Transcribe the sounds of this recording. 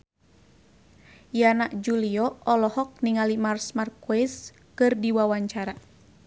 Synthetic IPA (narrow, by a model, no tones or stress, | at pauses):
janaʔd͡ʒuliɔɔlɔhɔk̚niŋalimarsmarkuis | kɨrdiwawaɲt͡ʃaɾa